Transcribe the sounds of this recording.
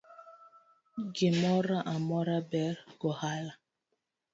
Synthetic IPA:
ɡemɔɾaʔamɔɾabɛɾɡ̥ɔhala

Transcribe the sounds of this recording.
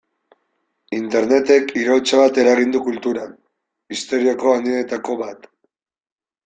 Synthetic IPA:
int̪e̞ɾne̞t̪e̞kiɾowt͡saβat̪e̞ɾaɣind̪ukult̪uɾan | ist̪o̞ɾioko̞and̪iet̪ako̞βat̪

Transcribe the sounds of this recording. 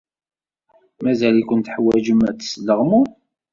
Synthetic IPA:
mæzælikʷənt̪ħwæʒəmæt͡ssləʁmu

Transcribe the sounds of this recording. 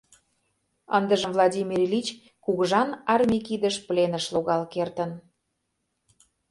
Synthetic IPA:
ə̰nd̪əʒə̆mvlˠɑdʲimʲirlʲit͡ɕ | kuɣəʒɑnɑrmʲikid̪əʃplenəʃloɣɑlkert̪ən

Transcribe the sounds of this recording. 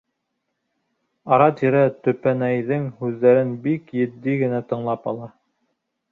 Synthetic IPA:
ɑɾɑt̪iɾæt̪ɵ̆pænæjðɘŋhʉðːæɾɘnbikjɘ̆d̪ːiɡɘ̆næt̪ɤ̆ɴlˠɑpɑlˠɑ

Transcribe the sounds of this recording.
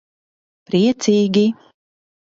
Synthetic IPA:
pɾʲiɛt̪sʲiːɡʲi

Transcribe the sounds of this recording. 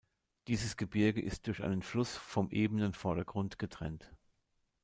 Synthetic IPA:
d̥iːzəsɡ̥əbɪɐɡəʔɪst̚d̥ʊɐçʔa̰ɪnənflʊsfɔmʔeːbənənfɔɐɾɐɡʁʊntɡ̥ətʁ̥ɛ̰nt

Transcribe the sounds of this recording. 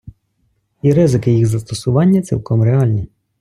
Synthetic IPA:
iɾɪzɪkɪjiɣzɐst̪ɔsʊʋɑnʲːɐt̪sʲḭlˠkɔmɾeɑlʲnʲi

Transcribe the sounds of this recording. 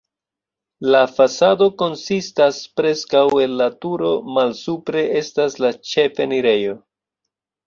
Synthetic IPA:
lafasado̞ko̞nsistaspɾe̞skawe̞nlatuɾo̞malsupɾe̞ʔe̞staslat͡ʃe̞feniɾe̞jo̞

